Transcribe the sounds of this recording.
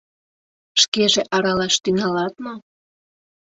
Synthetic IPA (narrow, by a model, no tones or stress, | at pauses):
ʃkeʒeʔɑɾɑlɑʃt̪yŋɑlɑt̪no